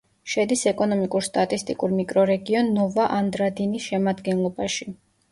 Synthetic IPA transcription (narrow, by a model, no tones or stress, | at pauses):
ʃɛd̪isɛkʼɔnɔmikʼuɾst̪ʼat̪ʼist̪ʼikʼuɾmikʼɾɔɾɛɡiɔnːɔvaʔand̪ɾad̪inisʃɛmad̪ɡɛnlˠɔbaʃi